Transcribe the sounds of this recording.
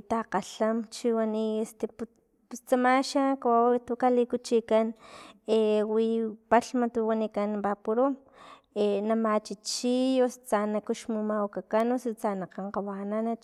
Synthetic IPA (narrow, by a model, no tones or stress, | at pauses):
t̪aqaɬamt͡ʃiwaniest̪epu | pust͡samaʃakawawt̪ukalikut͡ʃikanewipaɬmat̪uwanikanbapuɾom | enamat͡ʃit͡ʃijost͡sanakuʃmumawkakanosut͡sanaqaɴqawananat͡ʃ